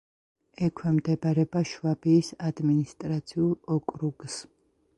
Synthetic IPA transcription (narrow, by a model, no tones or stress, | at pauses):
ɛkʰwɛmd̪ɛbaɾɛbaʃvabiːsad̪minist̪ʼɾat̪sʰiulˠɔkʼɾuɡs